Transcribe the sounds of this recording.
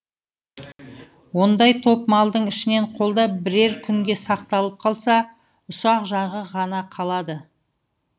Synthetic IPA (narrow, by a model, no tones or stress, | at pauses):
wo̞nd̪ɑjt̪ʰo̞pmɑlˠd̪əɴɪʃɪne̞ɴqʰo̞lˠd̪ɑbɪɾe̞ɾkʲʰʏŋɡʲe̞sɑqt̪ɑlˠəp̚qʰɑlˠsɑ | ʊsɑqʒɑʁəʁɑnɑqʰɑlˠɑd̪ə